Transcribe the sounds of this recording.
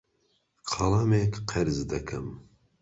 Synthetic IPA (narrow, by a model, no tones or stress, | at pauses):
qʰɑlˠaːmeːkqʰɐɾzd̪ɐkʰɨm